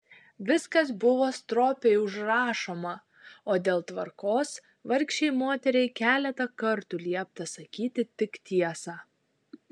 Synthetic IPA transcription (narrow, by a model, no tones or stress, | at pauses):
ʋʲɪskɐsbʊʋoːst̪ɾoːpʲeɪʊʒɾɑːʃoːmɐ | oːd̪ʲeːlˠt̪ʋɐɾkoːs | ʋɐɾʲkʃʲt͡ʃʲɛɪmoːt̪ʲɛɾʲɛɪkʲæːlʲɛt̪ɐkɐɾt̪ʊlʲiɛp̚t̪ɐsɐkʲiːt̪ʲɪt̪ʲɪkt̪ʲiɛsɑː